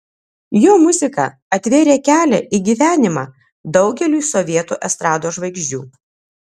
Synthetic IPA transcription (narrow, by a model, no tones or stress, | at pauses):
joːmʊzʲɪkɑ̰ | ɐt̪ʲʋʲeːɾʲeːkʲæːlʲɛ̰ʔiɡʲiːʋʲæːnʲɪmɑː | d̪ɒʊɡʲɛlʲuːsɔʋʲiɛt̪uːʔɛst̪ɾɑːd̪oːʒʋɐɪɡʒʲd͡ʒʲṵː